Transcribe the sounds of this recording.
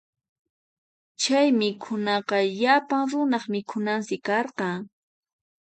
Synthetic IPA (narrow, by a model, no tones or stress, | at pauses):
t͡ʃajmɪkʰʊnɑqɑʎapaŋɾʊnɑχmɪkʰʊnansɪkɑɾqɑŋ